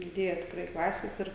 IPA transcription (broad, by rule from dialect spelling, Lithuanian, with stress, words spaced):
dʲɪˈdʲeːjɛ tʲɪkˈrɐɪ ˈklˠɑːsʲeːs ˈɪr